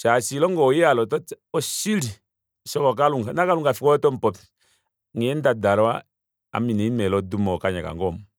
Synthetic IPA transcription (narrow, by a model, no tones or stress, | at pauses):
t͡ʃasilɔŋɡɔjialɔtɔɔsiɾi | sɔkɔk̬aluŋɡanakaluŋɡafikɔɔtɔm̩pɔpi | ŋɛndadaɾɔa | a̰minɛimɛlɔdumɔkaɲaka̰ŋɡɔm